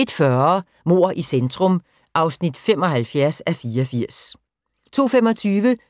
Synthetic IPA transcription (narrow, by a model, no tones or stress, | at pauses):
e̝d̥fɶɐɐ | mo̝̰ɐ̰ʔisend̥ʁɔm | ʔɑ̈ʊsnid̥femɒ̽hælfjæɐsæfiːɐɒfiɐ̰s | t͡sʰo̝̰ːfemɒ̽t͡sʰyːʋə